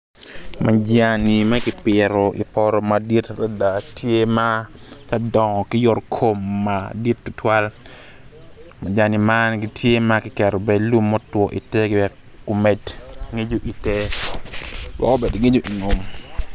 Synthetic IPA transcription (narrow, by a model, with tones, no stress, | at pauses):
mʔa˨d͡ʒja˨ni˨ma˦kɪ˨pɪ˨ɾɔ˨ʔḭ˨pɔ˨ɾɔ˨ma˨di˦tra˦da˨tʰje˦ma˦ | t͡ʃa˦dɔ˨ŋɔ˨kɪ˦jɔ˦rkʰo˨mːa˨di˦tːu˦tʰwa˦l | ma˨d͡ʒa˨ni˨ma˦nɡitʰje˦ma˦kɪ˨kɛ˨ɾo˨be˨lu˦mːɔ˦twɔ˨ʔḭ˨te˦ɡɪ˦bɛ˨ | ko˨me˨dŋe˦d͡ʒo˦ʔi˨te˦ | wɔ̰kɔ˦be˨dŋe˦d͡ʒo˦ʔi˨ŋo˨m